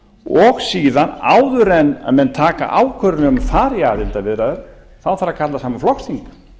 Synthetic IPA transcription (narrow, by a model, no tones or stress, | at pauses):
ɔɣsiːðana̰ːwðʏɾɛnːa̰ðmɛnt̪ʰaːka̰ʔaːwkʰœɾʏnɪʏmafaːɾjaːðɪlt̪avɪðɾaðɛɾ̥ | θawθaɾːakʰat̪lasaːmaflɔxst̪ʰiŋk